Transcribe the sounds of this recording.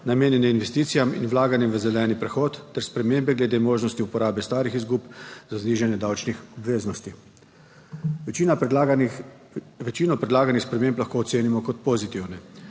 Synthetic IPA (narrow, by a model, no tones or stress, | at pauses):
nameːnjɛnɛinʋɛst̪iːt̪sijamḭnwlaːɡanjɛmʋəzɛlɛːnipɾɛxɔːt̪ːɛɾspɾɛmeːmbɛɡlɛd̪eːmoːʒnɔst̪iupɔɾaːbɛst̪aːɾixizɡuːpzazniːʒanjɛd̪awt͡ʃnixɔbʋeːznɔst̪i | ʋɛt͡ʃiːnɔpɾɛd̪laːɡanixspɾɛmẽmplaxkoːt̪seːnimɔkɔt̪̚pɔzit̪iwnɛ